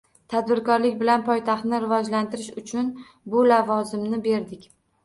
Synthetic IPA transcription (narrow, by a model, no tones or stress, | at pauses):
t̪ʰad̪bɪɾkɒɾlɪkʲbɪlanpʰɒjt̪ʰaχt̪nɪɾɪvɒd͡ʒlant̪ɪɾɪʃʊt͡ʃʰʊn | bʊlavɒzɪmnɪbe̞ɾd̪ɪkʲ